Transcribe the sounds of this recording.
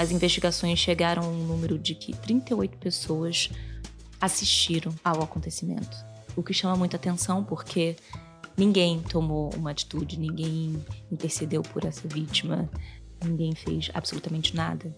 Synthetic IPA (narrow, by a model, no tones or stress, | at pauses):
ɐzĩveʃt͡ʃiɡasõj̃sʃeɡaɾʔɐ̃w̃aũnũmeɾʊd͡ʒɪkʰɪ̰t̪ɾĩnt̪ɐojt̪ʊ̥pesowɐs | asiʃt͡ʃiɾɐ̃w̃awakõnt̪esimḛ̃nt̪ʊ̥ | ʊkɪʃɐ̃mɐmũj̃t̪ʊat̪ẽsɐ̃w̃poχkʰe | nĩŋɡẽj̃t̪omoṵ̃mɐat͡ʃi̥t̪ud͡ʒɪnĩɡẽj̃ĩnt̪eɾsed̪ewpʊɾɛsɐvit͡ʃimɐ | nĩŋɡẽj̃fḛjʃa̰b̥solut̪amẽnt͡ʃɪna̰d̪ɐ